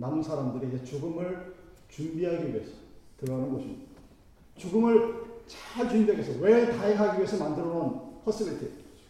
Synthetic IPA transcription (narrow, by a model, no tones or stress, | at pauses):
namunsʰaɾamdɯɾiid͡ʑe̞t͡ɕoɡɯmɯɭ | t͡ɕumbiɦaɡiie̞s͈ʰʌ̥tɯɾanɯnɡoɕʰid | t͡ɕoɡɯmɯɭt͡ɕat͡ɕuindeɡesʰʌwetaiɦaɡiɥesʰʌmandɯɾʌnonpʰʌs͈ɯɡɯɾitʰe